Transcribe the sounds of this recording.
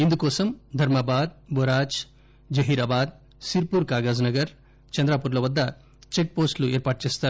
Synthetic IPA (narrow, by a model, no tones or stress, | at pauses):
ind̪ukɔːsɐmd̪ʱɐɾmabaːd̪̚boɾaːt͡ʃ | d͡ʒɐɦiːɾaːbaːd̪̚ | siɾpuːɾkaːɡaːd͡ʒnɐɡɐɾ | t͡ʃɐnd̪ɾaːpuːɾlɐʋɐd̪ːɐ | t͡ʃek̚poːsʈlueːɾpaːʈ̚t͡ʃeːst̪aːɾ